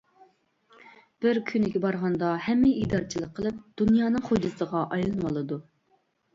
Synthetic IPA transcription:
b̥ɪɾkʲʰynɪɡʲɛbɑɾʁɑnd̪ɑhɛmːɪid̪ɑɾɨt͡ʃʰilˠəqʰːəlˠɨp̚d̪̥unjɑːnɨŋχod͡ʒɨsəʁɑʔɑjlˠɨnwɑlˠɨd̪u

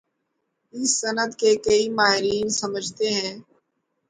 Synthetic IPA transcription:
ɪsːɐnəd̪kekɐimaːɦɪɾiːnsɐməd͡ʒʱt̪eɦɛ̃ː

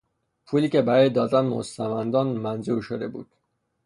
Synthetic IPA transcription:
pʰuːliːce̞bæɾɒːjed̪ɒːd̪ænmo̰st̪æmænd̪ɒːnmænzuːɾʃod̪e̞bṵːd̪̥

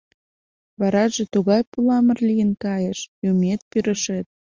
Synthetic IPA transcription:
βɑɾɑʒe̽t̪uɣɑjpulɑmərlijənkɑjəʃjumet̪̚pyɾəʃet̪̚

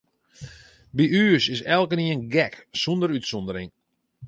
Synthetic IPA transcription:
biʔyːəsɪsɛlˠkəniənɡɛksɔndəɾytsɔndəɾɪŋ

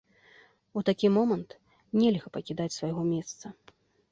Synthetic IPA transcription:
ut̪akʲimɔmɐnt̪ | nʲɛlʲɣɐpɐkʲid̪at͡sʲsvajɣɔmʲɛst̪sɐ

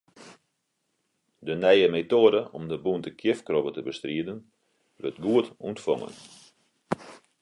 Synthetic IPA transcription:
dənɛjəmetoədəʔɔmdəbuntəkʰjɪfkrɔbətəbəstriədən | ʋø̰tɡuətuntfɔ̰ŋə̰n

